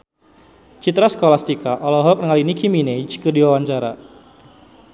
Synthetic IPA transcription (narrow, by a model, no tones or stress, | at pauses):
t͡ʃit̪ɾaskɔlast̪ikaʔɔlɔɦɔk̚nəŋalinikʰimined͡ʒkədiwawaɲt͡ʃaɾa